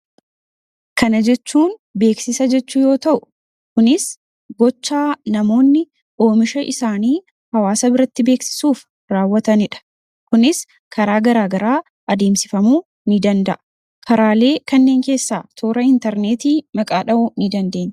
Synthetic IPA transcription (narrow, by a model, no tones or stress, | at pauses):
kɐnɐd͡ʒɛt͡ʃːuːnbe̞ːksɪsɐd͡ʒɛt͡ʃːʊjo̞ːt̪ɐʔʊ̥ | kʊnɪs | ɡɔt͡ʃːaːnɐmo̞ːnːɪ | ʔo̞ːmɪʃɐʔɪsaːniː | hɐwaːsɐbɪɾɐt̪ːɪbe̞ːksɪ̥suːf | ɾaːwːɐt̪ɐnɪᶑɐ̥ | kʊnɪs | kʰɐɾaːɡɐɾaːɡɐɾaː | ʔɐd̪e̞ːmsɪfɐmuː | nɪd̪ɐnd̪ɐʔɐ̥ | kʰɐɾaːle̞ːkɐnːe̞ːŋke̞ːsːaːt̪ʰoːɾɐɪnt̪ɛɾneːt̪iːmɐkʼaːᶑɐʔʊnɪd̪ɐnd̪e̞ːɲː